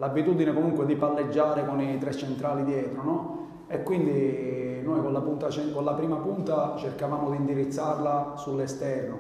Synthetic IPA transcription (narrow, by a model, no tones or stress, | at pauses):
labit̪ud̪inekomuŋkwed̪ipalːed͡ʒːaːɾekonit̪ɾɛt͡ʃːent̪ɾaːlid̪jɛːt̪ɾonɔ | ekwind̪inojkonlːapunt̪at͡ʃɛkonlːapɾiːmapunt̪at͡ʃerkavaːmod̪iːnd̪iɾit̪sːarlasulːest̪ɛrno